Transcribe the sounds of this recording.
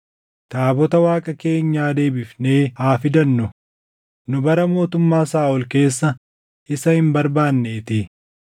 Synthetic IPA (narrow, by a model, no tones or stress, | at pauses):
t̪aːbɔt̪ɐwaːkʼɐke̞ːɲːaːd̪e̞ːbɪfne̞ːhaːfɪd̪ɐnːʊ | nʊbɐɾɐmo̞ːt̪ʊmːaːsaːʔɔlke̞ːsːɐ | ʔɪsɐhɪmbɐɾbaːnːe̞ːt̪ɪ